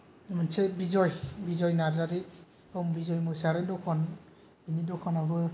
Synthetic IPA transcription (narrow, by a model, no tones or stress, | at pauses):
mɯnsebizɔjbizɔjnaɾaɾi | mbizɔjmɯsaɾendɔkʰɔn | binidɔkʰɔnabɯ